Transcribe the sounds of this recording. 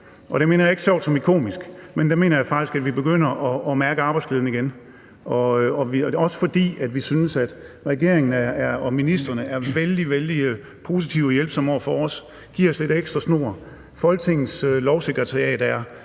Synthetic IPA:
ʔɒ̽ɾ̥e̝me̝̰ːnɐjeɡ̥sɒ̰ʊd̥sɒ̽mikʰo̝̰ːmisɡ̥mend̥eme̝̰ːnɐjɑ̈fɑ̈ɡ̥d̥isɡ̥æd̥ʋib̥e̝ɡ̥øn̰ɐʔɒːmæɐɡ̥əɑ̈ːb̥ɑ̈ɪdsle̝ːðˠn̩iɡ̥en | ʔɒ̽ɒʋiɒ̽sə̥fɒ̽d̥ḭːæd̥ʋisynəsæd̥ʁɛɡ̥e̝ɐ̰eŋn̩ææɐɒ̽minisd̥ʁɐnəæɐʋeld̥iʋeld̥i | pʰo̝ːsit͡sʰiʊjelb̥sɒ̽mɒ̰fɒɒs | ɡ̥iɐ̰ɒ̽sle̝d̥eɡ̥sd̥ʁɐsno̝̰ɐ | fɒ̽lɡ̥t͡sʰe̝ŋ̰n̩sølɒʊse̝ɡ̥ʁɐt͡sʰɑjɛ̰ːd̥æɐ

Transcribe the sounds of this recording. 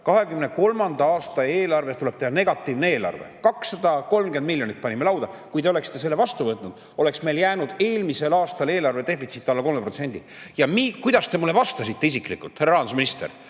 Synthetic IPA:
kɑɦe̞kymneko̞lmɑnd̪ɑɑːst̪ɑe̞ːlɑrve̞st̪ule̞b̥̚t̪ehɑne̞ɡ̥ɑt̪ːˑiːvnee̞ːlɑ̰rvḛkɑksɑd̪̥ɑko̞lmɡe̞nd̪̚miljo̞nit̪̚ːˑpɑnʲimːe̞lɑwd̪̥ɑkujd̪e̞oekst̪e̞s̬elːevɑst̪uvɤt̪ːˑnud̪̥ | o̞le̞ksme̞jljæːnud̪̥e̞ːlmise̞lɑːst̪ɑle̞ːlɑrve̞d̪e̞fit̪sit̪ːˑɑlːɑko̞lmepro̞t̪se̞nʲd̪̥i | jɑmiːkujd̪̥ɑst̪e̞mulːe̞vɑst̪ɑsit̪ːe̞is̬iklikult̪heɾɑɑɑnusminist̪ḛr

